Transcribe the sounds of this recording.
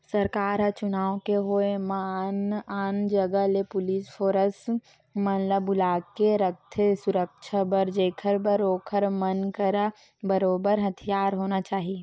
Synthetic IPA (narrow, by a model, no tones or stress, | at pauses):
səɾkaːɾɦət͡ʃʊnaːwkeɦoemanaːnd͡ʒəɡəlepʊliːspʰoːɾəs | mənləbːʊlaːkkeɾək̚t̪ʰesʊɾək̚t͡ʃʰabəɾd͡ʒeːkʰəɾbəɾoːkʰəɾmənkəɾa | bəɾoːbəɾɦɐt̪ʰijaːɾɦoːnat͡ʃaːɦie